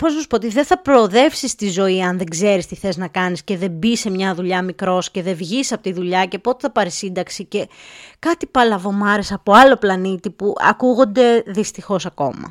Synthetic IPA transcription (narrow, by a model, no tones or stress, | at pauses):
po̞znɐsu̥poot̪iðeθɐpɾo̞ːðe̞fsist̪izo̞iɐnðe̞ɡze̞ɾist̪iθe̞znɐkɐnisce̞ðe̞bise̞mɲɐðuʎɐmikɾo̞sce̞ðe̞vʝisɐpo̞t̪iðuʎɐce̞po̞t̪eθɐpɐɾesind̪ɐksice̞kɐt̪ipɐlɐvo̞mɐɾesɐpoɐlo̞plɐnit̪ipuɐ̰kuɣo̞nd̪e̞ðist̪ixo̞sɐko̞̰mɐ̰